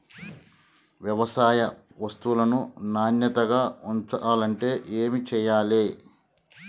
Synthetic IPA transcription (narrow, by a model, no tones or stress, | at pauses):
ʋjɐʋɐsaːjɐ | ʋɐst̪uulɐnunaːnjɐt̪ɐɡaːuɲt͡ʃɐaːlɐɳʈe̞ːʔeːmit͡ʃɛːjaːleː